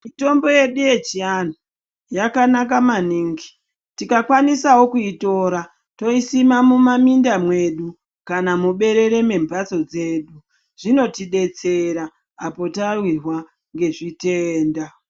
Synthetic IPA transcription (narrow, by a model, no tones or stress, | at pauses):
mito̞mbo̞je̞ɗuje̞t͡ʃiano | jakanakamaniŋɡi | tikakwanisawo̞kuito̞ɾa | to̞isimamumamindamwe̞ɗu | kanamuɓe̞ɾe̞ɾe̞me̞mbat͡so̞d͡ze̞ɗu | ʐ̥ino̞tiɗe̞t͡se̞ɾaː | po̞tarwirwa | ŋɡe̞ʐite̞ːnda